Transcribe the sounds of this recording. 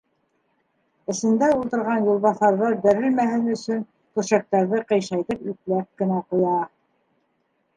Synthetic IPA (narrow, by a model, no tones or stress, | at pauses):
ɘ̆sɘ̆nd̪æulˠt̪ɤ̆ɾʁɑnjulˠβɑθɑɾðɤb̪ɘ̆ɾɘ̆lmæhɘnɵ̆sɵn | k̪ŭʃɑk̚t̪ɑɾðɤqɤ̆jʃɑjðɤpʉklæp̚kɘ̆næqujɑ